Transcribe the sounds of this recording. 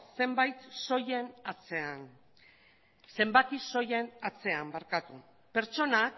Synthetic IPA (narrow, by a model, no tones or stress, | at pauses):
se̞mbajt̪so̞jenat͡sean | se̞mbakiso̞jenat͡se̞ambaɾkat̪u | pe̞ɾt͡ʃo̞nak